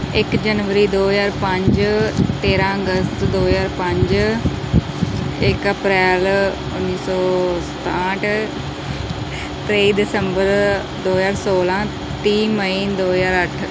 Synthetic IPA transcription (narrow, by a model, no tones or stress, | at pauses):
ɪkd͡ʒənʋəɾiːd̪oːzaːɾpə̃ɲd͡ʒt̪eːɾãːəɡəst̪d̪oːzaːɾpə̃ɲd͡ʒ | ɪkəpɾɛːl | ʊnːiːsɔːsə̥t̪ãːʈʰ | t̪ɾeːiːd̪ɪsəmbəɾ | d̪oːɦzaːɾsoːlãː | t̪iːməĩːd̪oːzaːɾəʈʰ